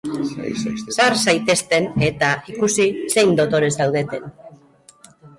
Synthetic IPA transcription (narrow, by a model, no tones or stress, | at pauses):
saɾsajt̪e̞st̪e̞ne̞t̪aikusise̞jnd̪o̞t̪o̞ɾe̞zðawðe̞t̪e̞n